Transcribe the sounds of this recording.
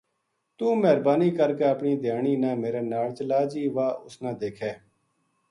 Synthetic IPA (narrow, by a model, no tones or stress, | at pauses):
t̪ũːmɛɦɾbaːniːkəɾkeːəpɳiːd̪ɪjaːniːnãːmeːɾeːnaːɭt͡ʃəlaːd͡ʒiːʋaːʊsnãːd̪eːkʰɛː